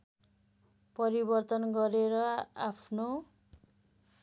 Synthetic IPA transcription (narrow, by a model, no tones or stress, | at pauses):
pʌɾibʌrt̪ʌnɡʌɾeɾʌapʰno